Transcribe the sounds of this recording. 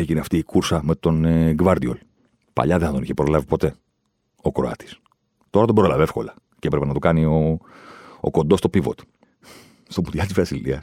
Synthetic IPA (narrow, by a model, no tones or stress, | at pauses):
eʝineɐft̪iːkuɾsɐme̞t̪o̞nɡvɐɾd̪io̞̰l | pɐ̰ʎɐðenɐt̪o̞niçepɾo̞lɐvipo̞t̪e̞ | o̞kɾoɐ̰t̪i̥s | t̪o̞ɾɐt̪obɾolɐvefko̞̰lɐ | ceepɾepenɐt̪ukɐnio̞ | o̰ko̞nd̪o̞st̪o̞pivo̞̰t̪ | st̪omut̪ʝɐt̪izvɐsiliɐs